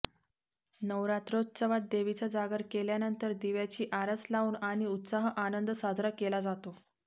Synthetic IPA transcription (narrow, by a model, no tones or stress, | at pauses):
nəʋɾat̪ɾot̪t͡səʋat̪̚d̪eʋit͡sad͡zaɡəɾkeljanənt̪əɾd̪iʋjat͡ɕiːʔaɾəslauːnaɽ̃iut̪saɦəʔanənd̪əsad̪ʱɾəkelad͡zat̪o